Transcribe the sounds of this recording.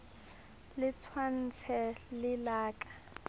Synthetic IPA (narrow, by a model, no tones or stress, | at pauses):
lɪt͡sʰwan̩t͡sʰɛlɪlaːkʼḁ